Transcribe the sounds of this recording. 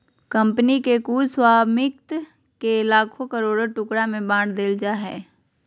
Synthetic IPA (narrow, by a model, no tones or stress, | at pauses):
kɐ̃mpnikekuːlswaːmɪk̚t̪ | kelaːkʰokəɾoːɽʈʊkɽamẽbãːɽd̪eːld͡ʒaːɦɛ̰ː